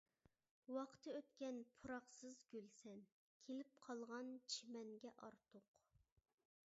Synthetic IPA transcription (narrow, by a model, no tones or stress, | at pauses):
wɑqʰt̪ʰɨøt̪kʲɛnpʰuɾɑχsɨzɡʲølsɛn | kʲʰelɪp̚qʰɑlˠʁɑnt͡ʃʰimɛŋɡʲɛʔɑɾt̪ʰʊq